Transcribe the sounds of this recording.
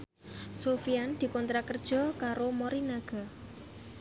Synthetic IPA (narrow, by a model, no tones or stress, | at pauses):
sofijand̪̥i̤kɔnt̪ɾakərd̥ʒ̥ɔ̤kaɾomɔɾinaɡ̥a̤